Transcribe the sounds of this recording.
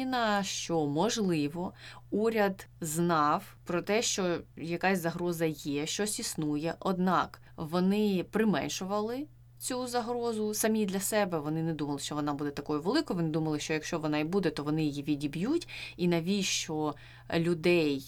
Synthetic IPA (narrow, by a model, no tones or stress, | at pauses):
inɐʃt͡ʃɔmɔʒlˠɪʋɔuɾʲɐd̪znɑw | pɾɔt̪ɛʃt͡ʃɔjɐkɑsʲzɐɦɾɔzɐjɛʃt͡ʃɔsʲisnujɛʔɔd̪nɑk | ʋɔnɪpɾɪmɛ̰nʲʃʊʋɐlˠɪ | t͡sʲuzɐɦɾɔzʊsɐmʲid̪lʲɐsɛbɛʋɔnɪnɛd̪umɐlˠɪʃt͡ʃɔʋɔnɑbud̪ɛt̪ɐkɔjʊʋelˠɪkɔjʋɔnɪd̪umɐlˠɪʃt͡ʃɔjɐkʃt͡ʃɔʋɔnɑibud̪ɛt̪ɔʋɔnɪjɪjiʋʲidʲibjutʲinɐʋʲiʃt͡ʃɔ | lʲʊd̪ɛj